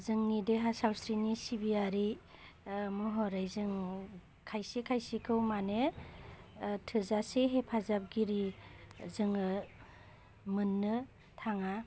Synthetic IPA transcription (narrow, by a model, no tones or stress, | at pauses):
zɯŋnideɦasawsɾinisibiaɾi | mɔɦɔɾajzɯŋ | kʰajsikʰajsikʰɯwmane | tʰɯzaseɦepʰazap̚ɡiɾi | zɯŋɯ | mɯnːɯ | tʰaŋa